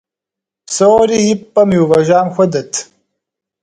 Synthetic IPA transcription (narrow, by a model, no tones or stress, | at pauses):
soːɾiipːɐmjuvɐʒaːmxʷɐd̪ɐt̪ʰ